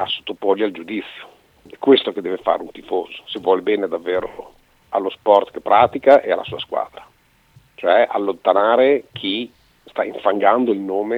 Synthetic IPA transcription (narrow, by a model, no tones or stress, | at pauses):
asːo̥t̪ːopɔʎːald͡ʒud̪it̪sːjo | ɛkːwest̪oked̪ːɛːvefa̰ːɾeunt̪ifoːzo̥sevwɔlebɛːned̪avːeːɾo̰ | a̰lːospɔrt̪kepːɾʔaːt̪ikaʔealːa̰suːaskwa̰ːd̪ɾa | t͡ʃoɛʔa̰lːont̪anaːɾekʰi | st̪aiɱfaŋɡand̪oilnoːme